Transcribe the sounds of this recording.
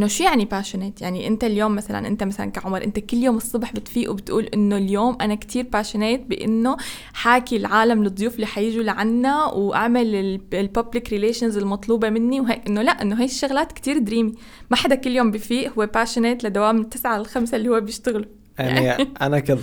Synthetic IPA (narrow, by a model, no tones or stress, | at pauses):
ʔʔɪnːoʃuːjaʕnipaːʃʊneːt̪jaʕniʔɪnt̪aljoːmːasala̰nʔɪnt̪amasala̰nkaʕʊmɾˤʔɪ̰nt̪akɪlːjoːmɨsˤːɑbħbɪt̪fiːʔubɪt̪ʔuːlʔɪnːoljoːmʔanakt̪ʰiːɾpaːʃɪneːt̪̚bɪʔɪ̰nːo | ħaːkilʕaːlamlɨd̪ˤːʊjuːfɪlːiːħajɪʒulaʕanːawʔa̰ʕmalɪlpablɪkɾɪleːʃanzɪlmɑt̪ˤluːbemɪnːiwɦeːkʔɪnːolaʔʔɪnːoɦaːjʃːaɣlaːt̪kt̪iːɾd̪ɾiːmi | maħad̪akɪlːjoːmbifiːʔhʊwːepaːʃʊneːt̪lad̪awaːmɪt̪ːɪsʕaɪlxamsalːihʊwːebjɪʃt̪ɪɣlu | jaʕnʔanakɪd̪